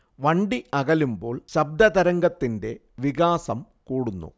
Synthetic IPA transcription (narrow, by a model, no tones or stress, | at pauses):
ʋɐɳɖiʔɐɣɐlumbo̞ːɭɕɐb̚d̪ɐd̪ɐɾɐŋɡɐt̪ːinde̞ | ʋiɣaːsɐm | kuːɽunːṵ